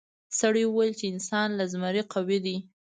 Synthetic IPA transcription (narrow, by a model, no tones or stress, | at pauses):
saɽiwəwajlt͡ʃeɪnsɑnlazmaɾeqawed̪i